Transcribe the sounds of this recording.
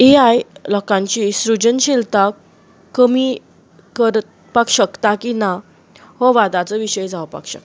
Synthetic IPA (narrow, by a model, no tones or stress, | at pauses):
eajlɔkãɲt͡ɕisɾud͡ʑənɕilt̪akː | əmi | kəɾt̪ | pakɕəkt̪akina | ɦɔʋad̪at͡səʋiɕəjd͡zaʋəpa̰kɕə̰k̪̚